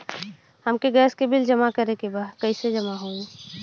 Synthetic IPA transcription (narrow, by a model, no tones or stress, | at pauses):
həmkeɡɛːskebɪld͡ʒəmakəɾekebaːd̪kəised͡ʒɐmaɦõːɡ